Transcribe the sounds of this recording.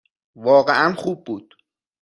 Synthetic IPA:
vɒːɣeʔænxuːbːuːd̪̥

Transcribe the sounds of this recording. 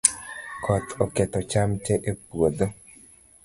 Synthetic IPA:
kʰɔt̪ʰɔkɛt̪ɔt͡ʃamt͡ʃɛʔepwod̪o

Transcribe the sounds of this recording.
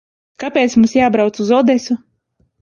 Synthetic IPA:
kapʲeːt̪smumsjaːbɾawt̪suzɔd̪ɛsu

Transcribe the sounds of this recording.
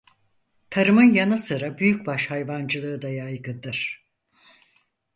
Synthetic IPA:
t̪ʰaɾɯmɯnjanɯsɯɾabyjyc̚ʲbaʃhajvand͡ʒɯlˠɯːd̪ajajɡɯd̪ɯɾ̥

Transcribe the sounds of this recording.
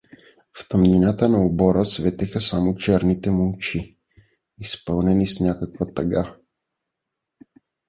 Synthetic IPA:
ft̪əmninat̪ənɐobɔɾəsvɛt̪ɛxəsamot͡ʃɛɾnit̪ɛmulˠt͡ʃi | ispɤlˠnɛnisnʲakəkvət̪ɐɡa

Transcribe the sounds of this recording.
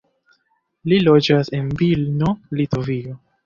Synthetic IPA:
lilod͡ʒasenvilnolitovio

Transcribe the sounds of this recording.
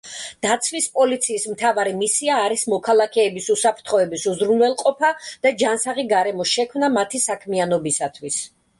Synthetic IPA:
d̪̥at̪sʰwispʼɔlit̪sʰiːsmt̪ʰavaɾimisiaːɾismɔkʰalˠakʰɛːbisusapʰɾt̪ʰχɔɛbisuzɾunwɛlˠqʼɔpʰad̪̥ad͡ʒansaʁiɡaɾɛmɔsʃɛkʰmnamat̪ʰisakʰmianɔbisat̪ʰwis

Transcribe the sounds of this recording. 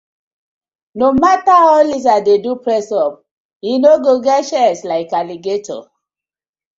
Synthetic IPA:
nomataɔlis̬adedupɹɛsɔp̚ | jinoɡoɡɛtʃɛslaɪkaliɡeto̰

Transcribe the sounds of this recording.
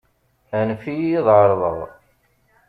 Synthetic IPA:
nfijiðˤʕəɾˤðˤə̰ʁ

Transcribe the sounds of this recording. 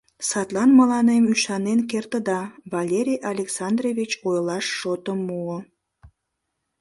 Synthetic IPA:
sɑt̪lˠɑnmɑlˠɑnemyʃɑnenkert̪əd̪ɑvɑlʲeɾʲijʔɑlʲeksɑnd̪revʲit͡ɕojlˠɑʃːot̪əmːuə

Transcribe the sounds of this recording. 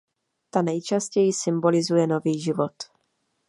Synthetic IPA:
t̪anɛjt͡ʃascɛjɪsɪmbo̞lɪzujɛno̞viːʒɪvo̞t̪

